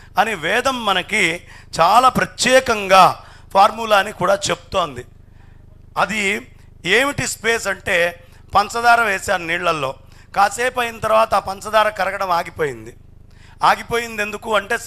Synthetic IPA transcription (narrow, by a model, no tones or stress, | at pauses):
ɐniʋɛːd̪ɐmːɐnɐkit͡ʃaːlaːpɾɐt̪jɛːkɐŋɡaː | pʰaːɾmulaːnikuːɽaːt͡ʃe̞bu̥t̪o̞ːnd̪i | ɐd̪i | eːmiʈispe̞ːsɐɳʈe̞ː | pɐnsɐd̪aːɾɐʋeːsaːɾuniːɭːɐlːo̞ː | kaːseːpɐːjinɐt̪ɐɾʋaːt̪ɐːpɐnt͡ʃɐd̪aːɾɐkɐɾɐɡɐɽɐmaːɡipoːjind̪i | aːɡipo̞ːjind̪e̞nd̪ukuːɐɳʈe̞ː